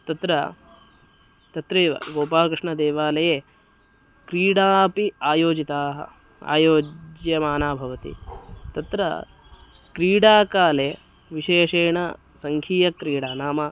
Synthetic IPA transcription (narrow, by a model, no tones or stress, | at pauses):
t̪ɐt̪ɾɐ | t̪ɐt̪ɾiɐ̰ɡoːpaːkɾɪʂɳɐd̪eːʋaːlɐjeː | kɾiːɽaːpiaːjoːd͡ʒit̪aːɦɐ̰a̰ːjoːd͡ʒjɐmaːnaːbʱɐʋɐt̪ḭt̪ɐt̪ɾɐ̰ | kɾiːɽaːkaːleː | ʋiʃeːʂeːɳɐ | sɐŋkʰiːjɐkɾiːɽaːnaːmɐ